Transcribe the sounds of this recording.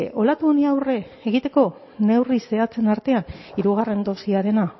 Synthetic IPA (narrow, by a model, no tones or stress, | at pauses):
ʔo̞lat̪uoniawre̞ːɣ̞it̪e̞ko̞ | ne̞wrise̞at͡se̞naɾt̪e̞aniɾuɣ̞are̞nd̪o̞siaɾe̞na